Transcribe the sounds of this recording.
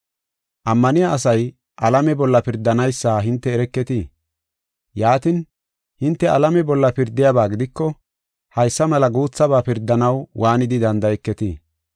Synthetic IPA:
ʔɐmːɐnɪjaʔːs̬ɐj | ʔɐlɐmɛbɔlːɐpɪɾd̪ːɐnɐjsːaːɦɪnt̪ːɛːɾɛkːɛt̪i | jaːt̪ɪn | hɪnt̪ːɛɐlɐmɛbɔlːɐpɪɾd̪ːɪjaːbaːɡɪd̪ɪkːɔ | hɐjsːɐmɐlɐɡuːt͡sːɐbaːpɪɾd̪ːɐnɐwwʔaːnɪd̪ɪd̪ɐnd̪ɐjɛkːɛt̪iː

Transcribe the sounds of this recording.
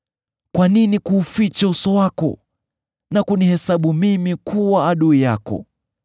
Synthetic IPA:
kwaninikuːfit͡ʃausɔwakɔ̰ | nakunihɛsaɓumimikʰuwaːɗuijakɔ̰

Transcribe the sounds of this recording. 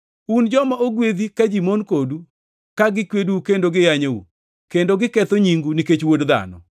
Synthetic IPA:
und͡ʒɔmaʔoɡwed̪ikad͡ʒimonkodu | kaɡɪkweduukendoɡɪjaɲoṵ | kendoɡɪkɛt̪oɲiŋɡuniket͡ʃwodd̪a̰nɔ̰

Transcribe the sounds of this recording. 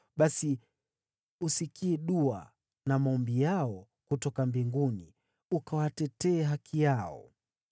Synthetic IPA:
ɓasi | usikiɛɗua̰ | namaɔmbijaɔ | kutɔkambiŋɡuni | ukawatɛtɛːɦakʰijaɔ̰

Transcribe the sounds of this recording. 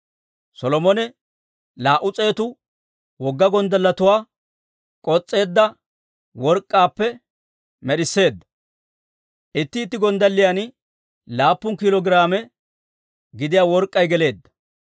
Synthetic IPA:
sɔlɔmɔnɛ | laːʔʊt͡sʼe̞ːt̪ʊ | wɔɡːɐɡɔnd̪ɐlːɐt̪ʊwaː | kʼɔt͡sʼːe̞ːd̪ːɐ | wɔɾkʼːaːpːɛ | mɛɗɪsːe̞ːd̪ːɐ | ʔɪt̪ːɪːt̪ːɪɡɔnd̪ɐlːɪjan | laːpːʊnkɪlɔɡɪɾaːmɛ | ɡɪd̪ɪjaːwɔɾkʼːɐjɡɛle̞ːd̪ːɐ̥

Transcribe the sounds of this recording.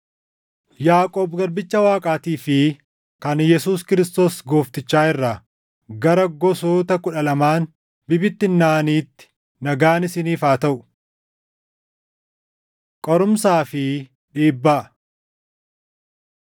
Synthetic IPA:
jaːkʼoːbɡɐɾbɪt͡ʃːɐwaːkʼaːt̪iːfɪ | kɐnjɛsuːskɪɾɪst̪o̞ːsɡoːft̪ɪt͡ʃːaːɪrːɐ | ɡɐɾɐɡɔsoːt̪ɐkʊᶑɐlɐmaːn | bɪbɪt̪ːɪnːaːniːt̪ːɪ̥ | nɐɡaːnɪsɪniːfaːt̪ɐʔʊ̥ | kʼɔɾʊmsaːfɪ | ᶑiːbːɐ

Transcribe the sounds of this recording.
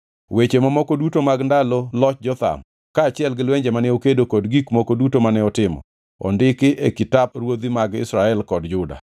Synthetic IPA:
wet͡ʃemamɔkodutomaɡndalɔlɔt͡ʃ̚d͡ʒɔt̪a̰m | kaːt͡ʃɪɛlɡɪlwɛɲd͡ʒɛmanɛokedokɔdɡikmɔkodutomanɛɔtɪmɔ̰ | ɔ̰ndɪkɪʔekɪtapɾwod̪imaɡɪ̰sɾaɛlkɔdd͡ʒʊda̰

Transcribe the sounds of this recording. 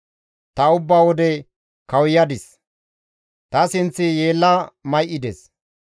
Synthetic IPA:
t̪ɐʊbːaːwɔd̪ɛ | kɐwjɐd̪ɪs | t̪ɐsɪnt͡sːɪje̞ːlːɐmɐjʔɪd̪es

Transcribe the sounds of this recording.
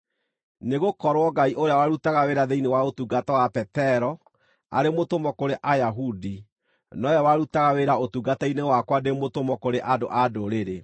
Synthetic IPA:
neɣokɔɾwɔɡaiʔoɾeawaɾutaɣaweɾaðeinewaotuɡatɔwapɛtɛɾɔ | a̰ɾemotomɔkoɾeʔajaɦudi | nɔjawaɾutaɣaweɾaotuɡatainewakwademotomɔkoɾeʔadoʔadoɾeɾe

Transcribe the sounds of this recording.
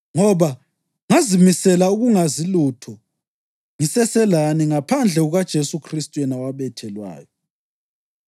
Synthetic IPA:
ŋɔβa | ŋazimisɛlauɣuŋazilutʰɔ | ŋisɛsɛlaniŋapʰand͡ɮʱɛɣuɣad̥ʒ̥ʱesukʰristʼujɛnawaβɛtʰɛlwa̰ːjɔ

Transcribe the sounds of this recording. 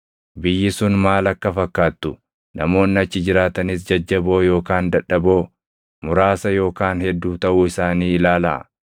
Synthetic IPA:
bɪjːɪsʊnmaːlɐkːɐfɐkːaːt̪ːʊ | nɐmo̞ːnːɪɐt͡ʃːɪd͡ʒɪɾaːt̪ɐnɪs̬d͡ʒɐd͡ʒːɐbo̞ːjo̞ːkaːnd̪ɐᶑɐbo̞ː | mʊɾaːsɐjo̞ːkaːnhɛd̪ːuːt̪ɐʔuːɪsaːniːɪlaːlɐ̰ʔ

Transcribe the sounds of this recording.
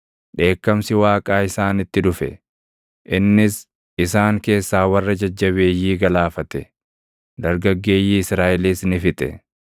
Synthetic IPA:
ᶑe̞ːkːɐmsɪwaːkʼaːɪsaːnɪt̪ːɪᶑʊfɛ | ʔɪnːɪs | ɪsaːŋke̞ːsːaːwɐrːɐd͡ʒɐd͡ʒːɐβe̞ːjːiːɡɐlaːfɐt̪ɛ | d̪ɐɾɡɐɡːe̞ːjːiːɪsɾaːʔɪliːsnɪfɪt̪ʼɛ̰

